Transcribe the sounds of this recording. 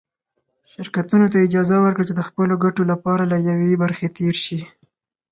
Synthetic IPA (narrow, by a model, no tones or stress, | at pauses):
ʃɪɾkat̪unot̪aɪd͡ʒɑzawəɾkɽət͡ʃed̪əxpəloɡaʈolapɑɾalajawebaɾxet̪eɾʃi